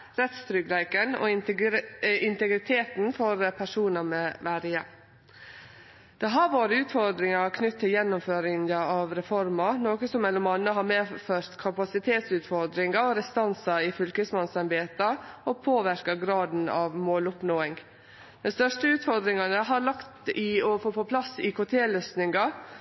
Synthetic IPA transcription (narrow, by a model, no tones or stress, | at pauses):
ɾɛt̪st̪ɾʏɡlæɪkənɔ̰ | ɪnt̪ɛɡɾɪt̪ʰeːt̪nfɔɾpʰæʂuːnɑmɛʋæːɾɪjɛ | d̪̥ɛɦɑɾʋoːɾəʉːt̪fɔɾd̪ɾɪŋɑkʰnʏt̪ʰːɪljɛnːʊmføːɾɪnɑɑʋɾɛfɔɾmɑnoːkəsɔmːɛlɔmɑnːəɦɑmeːføːɾt̪kʰɑpɑsɪt̪ʰeːt̪sʉːt̪fɔɾd̪ɾɪŋɑɔɾɛst̪ɑnsɑɪfʏlkəsmɑnsɑnbeːt̪ɑɔpʰoːʋæɾkɑɡɾɑːd̪n̩ɑːʋmoːlʊpnoːɪŋ | d̪̥ɛnst̪œʂʈəʉːt̪fɔɾd̪ɾɪŋɑnəɦɑɾɭɑkt̪ɪɔfoːpɔpʰlɑsɪkʰoːt̪ʰeːløːsnɪŋɑ